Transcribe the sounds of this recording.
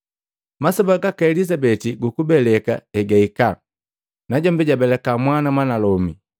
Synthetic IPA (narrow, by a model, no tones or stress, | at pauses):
masɔbaɡakaɛlizabɛtiɡukubɛlɛka̰ɛɡaika | naɟɔmbɛɟabɛlɛkamwanamwanalɔmi